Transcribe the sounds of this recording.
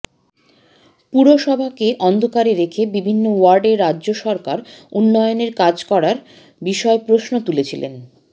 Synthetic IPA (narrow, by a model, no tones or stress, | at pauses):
puɾoʃɔbʱakeʔɔnd̪ʱokaɾeɾekʰebibʱinːowaɾɖeɾːadːʑoʃɔɾkaɾunːɔeoneɾkad͡ʑkɔɾaɾ | biʃɔepɾoʃnot̪ulet͡ɕʰilḛn